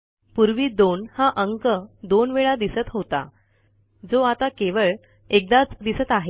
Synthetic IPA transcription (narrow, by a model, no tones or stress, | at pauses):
puɾʋiːd̪onhaʔəŋkəd̪onʋeɭad̪isət̪ɦot̪a̰ | d͡zoat̪akeʋəɭ | ek̚d̪at͡sd̪isət̪aɦe